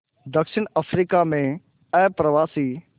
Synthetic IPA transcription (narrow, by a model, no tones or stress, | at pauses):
d̪əkʃɪɳ̃əfʰɾikamẽ | ɛ̃ːpɾəʋaːsiː